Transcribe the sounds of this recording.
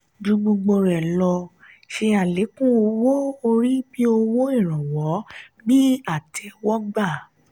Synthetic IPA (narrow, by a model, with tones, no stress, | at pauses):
d͡ʒũ˧ɡ͡bũ˧ɡ͡bo˧ɾɛ˨lɔ˧ | ʃe˧a˨le˨˦kũ˦o˧wo˦o˧ɾi˦bi˦o˧wo˦i˦˨ɾ̃ã˨wɔ˨˦nĩ˦a˦˨tʰɛ˧wɔ˦ɡ͡ba˦˨